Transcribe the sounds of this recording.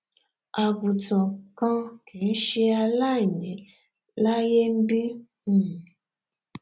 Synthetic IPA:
a˨bu˨tɔ˨kã˦kʰe˨n̩˦ʃe˧a˧la˦˨nẽ˨ | la˦je˦m̩˦bi˦˨

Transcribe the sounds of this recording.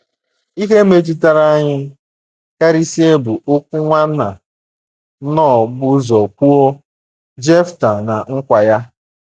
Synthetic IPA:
i˦ɦe˦me˦d͡ʒi˦ta˦ɾa˦ɲɪ˦ | ka˦ɾi˦si˦e˦bʊ˨ʊ˦kʷʊ˦ŋʷa˦na˨˦ | nɔ˦˨ɡ͡bʊ˦zɔ˨kʷu˦o˦ | d͡ʒe˦fta˨na˨ŋ̩˦kʷa˨ja˦

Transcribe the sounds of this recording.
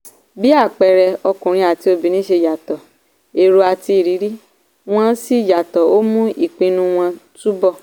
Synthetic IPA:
bi˦a˦˨k͡pɛ˨ɾɛ˧ɔ˧kũ˨ɾĩ˧a˨ti˧˦o˧bi˨nĩ˨˦ʃe˧ja˨tɔ˨ | e˨ɾo˧a˨ti˧i˨ɾi˨˦ɾi˦ | w̃ɔ̃˦si˦˨ja˨tɔ˨o˦mũ˦ʔi˦˨k͡pĩ˧nũ˦w̃ɔ̃˧tu˦bɔ˦˨

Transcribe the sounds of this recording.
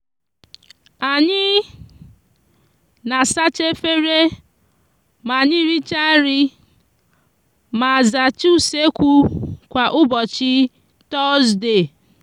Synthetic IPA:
a˨ɲɪ˦ | na˨sa˦t͡ʃe˦fe˦ɾe˦ | ma˨ɲɪ˦ɾi˦t͡ʃa˦ɾɪ˦ | ma˨a˨za˨t͡ʃu˦˨se˦kʷu˦kʷa˨ʔʊ˦bɔ˨t͡ʃɪ˦ | tɔ˦sde˨

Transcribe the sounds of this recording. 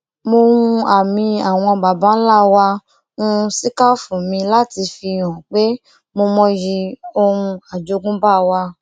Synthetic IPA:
mo˧ŋũ˧a˨mĩ˧a˨w̃ɔ̃˧ɡ͡ba˨bã˨˦la˦˨wa˧ | ũ˦˧si˦ka˦fũ˨mĩ˧la˦ti˧fi˧j̃ɔ̃˨k͡pe˦ | mo˧mɔ̃˧ji˧o˧ɾũ˧a˨d͡ʒo˨˧˦ɡũ˦ba˦˨wa˧

